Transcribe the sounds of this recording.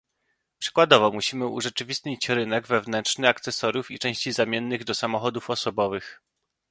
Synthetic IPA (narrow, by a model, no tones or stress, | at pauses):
pʂɘ̥kwad̪ɔvɔmuɕimɘṵʐɛt͡ʂɘvʲist̪ɲit͡ɕɾɘnɛɡvɛvnɛntʂnɘak̚t̪sɛsɔɾjufit͡ʂɛ̃w̃ɕt͡ɕizamʲjɛnːɘɣd̪ɔsamɔxɔd̪ufɔsɔbɔvɘx